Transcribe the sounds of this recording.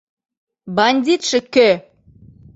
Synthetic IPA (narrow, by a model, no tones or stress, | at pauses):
bɑnʲd̪ʲit̪ʃɘ̆kø